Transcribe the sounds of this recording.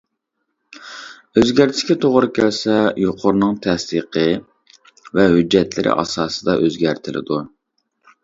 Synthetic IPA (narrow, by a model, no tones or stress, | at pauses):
øzɡʲæɾt̪ʰɪ̥ʃkʲɛt̪ʰoʁʊɾɨkʲʰælsɛjoqʰʊɾnɨŋt̪ʰɛsd̪iqʰə | vɛhyd͡ʒːɛt̪ʰlɪɾʔɪ̰ʔɑ̰sɑːsɨd̪ɑʔøzɡʲæɾt̪ʰɪlʔɪ̰d̪u